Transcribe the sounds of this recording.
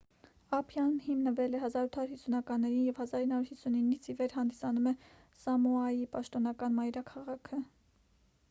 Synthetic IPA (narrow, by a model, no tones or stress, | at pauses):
ɑpʰjɑnhimnəvɛlɛɦɑzɑɾut̪ʰɑuɾhisunɑkɑnːɛɾinjɛvhɑzɑɾinːɑuɾhisuninːit͡sʰivɛɾɦɑnd̪isɑnumɛ | sɑmuɑjipɑʃt̪ɔnɑkɑnmɑjɾɑkʰɑʁɑkʰə